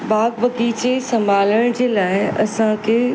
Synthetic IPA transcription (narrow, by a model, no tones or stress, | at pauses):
baːɡʋɐkiːt͡ɕesɐ̃mbʱaːləɽ̃d͡ʑeːlaːɪɐsãkʰe